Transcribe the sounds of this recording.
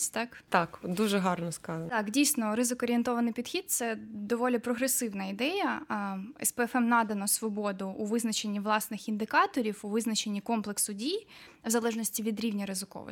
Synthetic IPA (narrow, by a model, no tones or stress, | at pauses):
t̪ɑkt̪ɑkd̪uʒɛɦɑrnɔskɑzɐt̪ɑkdʲijsʲnɔrɪzɪkɔːɾʲient̪ɔʋɐnɪjpʲid̪xʲit̪̚t̪sɛd̪ɔʋɔlʲipɾɔɦɾesɪwnɐid̪ɛjɐ | ɛ̰spɛɛfɛmnɑd̪ɐnɔsʋɔbɔd̪ʊːʋɪznɐt͡ʃenʲːiʋlˠɑsnɪxind̪ɪkɑt̪ɔɾʲiwuʋɪznɐt͡ʃenʲːikɔmplˠeksʊdʲijʋzɐlˠɛʐnɔsʲtʲiʋʲid̪ɾʲiwnʲɐɾɪzɪkɔ̰ʋɪ̰